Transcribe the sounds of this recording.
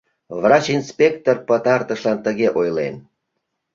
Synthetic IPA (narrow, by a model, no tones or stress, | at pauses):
vrɑt͡ɕinspʲekt̪orpət̪ɑrt̪əʃlɑnt̪əɣeʔojlḛn